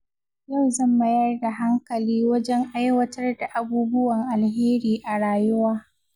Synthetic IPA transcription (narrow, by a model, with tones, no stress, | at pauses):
ja˦˨wzɐ˦˨mbɐ˦jɐ˦rda˨ɦa˦ŋkɐ˨liː˦wɐ˦d͡ʒɛ˦ŋʔa˦jwɐ˦tɐ˦rda˨ʔa˨buː˦bʊ˦wɐ˨ŋʔa˨lɦeː˦ɾiː˨ʔa˨ɽaː˨jʊ˦waː˦